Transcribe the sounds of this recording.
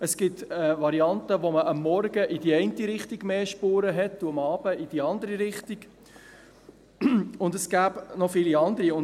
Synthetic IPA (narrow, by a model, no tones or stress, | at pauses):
əsɡ̥ɪtɛʋɑɾiɑnt̪əʋoməʔɑmːɔɾɡəʔidiɛɪntiɾɪχtiɡ̥meːʃpuːɾəɦɛtːuəmɑːb̥əid̥iɑnd̪əɾiɾɪχtiɡ̥ | ʊndəsɡ̥æːbnɔfɪːliɑnd̪əɾiʊn